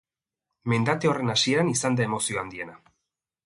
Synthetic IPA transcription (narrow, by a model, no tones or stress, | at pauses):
me̞nd̪at̪eo̞re̞nasie̞ɾanisand̪ae̞mo̞sio̞and̪ie̞na